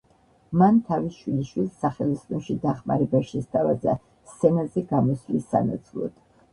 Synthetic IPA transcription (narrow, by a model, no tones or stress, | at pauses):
mant̪ʰavisʃwiliʃwilˠsːaχɛlist̪ʼɔnʃid̪aχmaɾɛbaʃɛst̪ʰavaza̰ | st̪sʰɛnazɛɡamɔslisa̰na̰t̪sʰlˠɔ̰d̪̥